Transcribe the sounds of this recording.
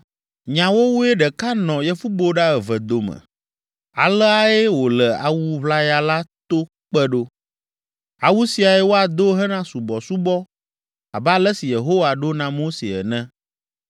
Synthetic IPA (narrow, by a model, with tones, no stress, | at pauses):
ɲã˨wo˦wu˦e˦ɖɛ˨ka˦nɔ̃˨jɛ˦fu˦bo˦ɖa˦ɛ˨vɛ˨d̪o˨mɛ̰̃˨ | a̰˨lɛ˦a˦e˦wo˨lɛ˨a̰˨wu˦βla˦ja˨la˦t̪o˦ | k͡pɛ˦ɖo˦ | a˨wu˦si˨a˨ɛ˦wo˦a˨d̪o˦ɦɛ˦nã˦su˨bɔ˨su˦bɔ˦ | a̰˨bɛ˦a˦lɛ˦si˨je˨ɦo˦wa˨ɖo˦nã˨mo˦sḛ˨ɛ̰˨nɛ̃˦